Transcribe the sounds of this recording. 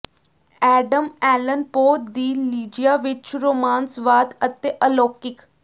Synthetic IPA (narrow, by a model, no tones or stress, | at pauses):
ɛːɖəmɛːlənpoːd̪iːliːd͡ʒijaːʋɪt͡ʃɾoːmaːnsʋaːd̪ət̪eːʔəloːkɪk